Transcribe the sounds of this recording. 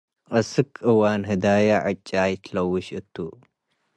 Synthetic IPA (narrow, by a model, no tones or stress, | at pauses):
ʔʼɐsɨkʰʔɨwanɦɨd̪ajaʕɨt͡ʃʼːajt̪ʰlɐwʊʃʔɨt̪ʰːu